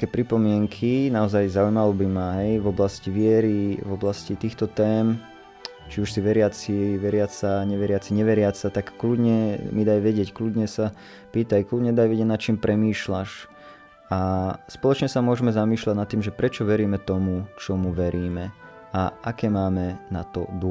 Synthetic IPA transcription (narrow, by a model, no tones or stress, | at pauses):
kɛːpɾipɔmɪɛŋkʰinaɔzajzaujmalɔbimaɦɛjʋɔblasciʋɪɛɾiʋɔblascit̪iːxt̪ɔt̪ɛːm | t͡ʃiuʃsiʋɛɾɪat͡siʋɛɾɪat͡saɲɛʋɛɾɪat͡siɲɛʋɛɾɪat͡sat̪akːlud̪ɲɛmid̪ajʋɛɟɪɛcklud̪ɲɛsa | piːt̪ajklud̪ɲɛd̪ajʋɛɟɛɟnat̪t͡ʃiːmpɾɛmiːʃlaʃ | aspɔlɔt͡ʃɲɛsamʊɔʒɛmɛzamiːʃlaɟnat̪ːiːmʒɛpɾɛt͡ʃɔʋɛɾiːmɛt̪ɔmut͡ʃɔmuʋɛɾiːmɛ | aʔakɛːmaːmɛna̰t̪ɔ̰d̪u